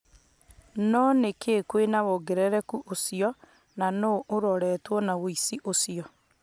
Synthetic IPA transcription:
nɔnekekwenawoɡeɾɛɾɛkuʔosiɔ | nanoʔːɾɔɾɛtwɔnawoisiʔosiɔ

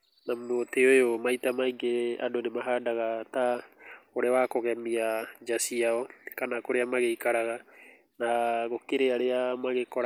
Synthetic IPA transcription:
namoteojomaitamaiɡea̰donemaɦadaɣataoɾɛwakɔɣɛmiad͡ʒasiaɔkanakoɾeamaɣeikaɾaɣa | naɣokeɾeaɾeamaɣekɔɾ

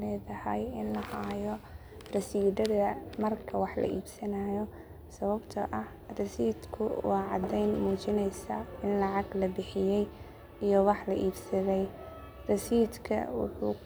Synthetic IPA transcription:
lɛːðɐhɐjɪnlɐhajɔ | rɐsiːdɐðɐmɐrkʰɐwɑħlɐ̰ʔiːbsɐnaːjɔ | sɐβɐbt̪ʰɐʔɐh | rɐsiːd̪kʰʊ̰wɑːʕɑd̪ɛjnmuːt͡ʃɪnɛjsaɪnlɑʕɑɡlɐbɪħɪjɛj | ijɔwɑħlɐʔiːbsɐðɛj | rɐsiːd̪kʰɐ̰wʊ̰ħṵː

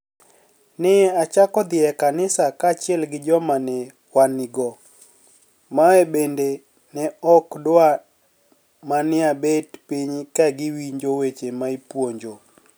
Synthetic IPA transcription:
nɪat͡ʃakɔd̪ɪɛkanɪsakat͡ʃɪɛlɡɪd͡ʒɔmanɛ | waniɡɔ | maɛbende | nɛɔkdwa | manɪabetpiɲkaɡɪwiɲd͡ʒowet͡ʃemaipwoɲd͡ʒo

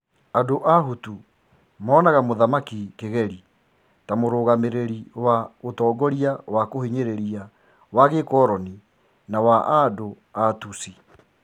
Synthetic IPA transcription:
adoʔaɦutu | maːnaɣamoðamakikeɣɛɾi | tamoɾoːɣameɾeɾiwaotɔːɡɔɾiawakoheɲeɾeɾia | waɣekɔːɾɔni | nawaʔado | atusi

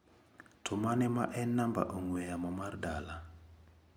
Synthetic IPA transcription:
tʰʊmanɛma̰ʔɛnːamba̰ʔoŋwejamɔmardala

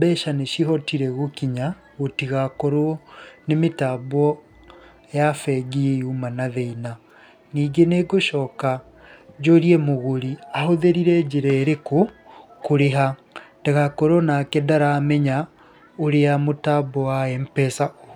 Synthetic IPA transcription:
bɛʃaneʃiɦɔtiɾɛɣokiɲa | ɣotiɣakɔɾɔnemetaβɔ | jafɛɡiumanaðeina | niːɡeneɡoʃɔːka | d͡ʒoɾiɛmoɣoɾiahoðeɾiɾɛd͡ʒeɾɛːɾekokoɾeɦa | teɣakɔɾwɔnakedaɾaːmɛɲa | oɾeamotabɔwaɛmpɛsa

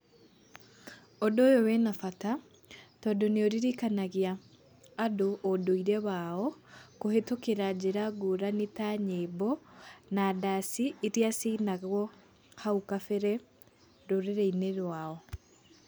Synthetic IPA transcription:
odoːjowɛnafata | tɔːdoneoɾiɾikanaɣiaː | doʔːdoiɾɛβaɔkohetokeɾad͡ʑeɾaɡoɾanetaɲebɔnadasiːɾiasiːnaɣwɔ | haukafɛɾɛ | ɾoɾeɾɛineɾwaɔ

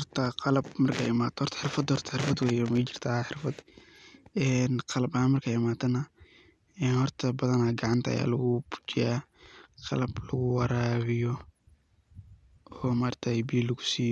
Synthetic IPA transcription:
hɔrt̪ʰɐqɑlɐbmɐrkʰaɪmaːt̪hɔrt̪ʰɐħɪrfɐd̪hɔrt̪ʰɐ̥ħɪrfɐd̪wɛːjɔmɛt͡ʃɪ̥r̥t̪ʰɐħɪrfɐd̪ | ɛːnqɑlɐbhaːnmɐrkʰaːɪmaːt̪ʰɐnɐ | ɛːnhɔrt̪ʰɐbɐðɐnaɡɑʕɑnt̪ʰɐɐ̰ja̰ːlɐɣʊbʊ̥t͡ʃɪjaːqɑ̰lɐblɐɣʊwɑɾaːβɪjɔ | ɔːmaːrt̪ʰabiːlɐɣʊ̥siːjɔ

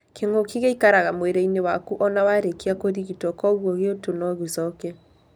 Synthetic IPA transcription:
keŋokiɣeikaɾaɣamweɾeinewakuʔɔnawaɾekeakoɾiɣitɔkɔɣwɔɣeotonɔɣesɔkɛ

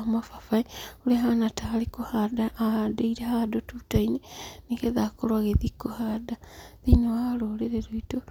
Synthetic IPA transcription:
mafafaiuleɦanataːlikohadaadeiɾehadotutainenikeðakolwaɣeðikohadaðinoaloleɾeɾoito

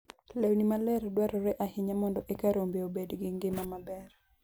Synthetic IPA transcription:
lɛwnimalɛɾdwaɾɔɾɛʔahɪɲamɔndɔʔekaɾombeobedɡɪŋɡɪmamabɛr

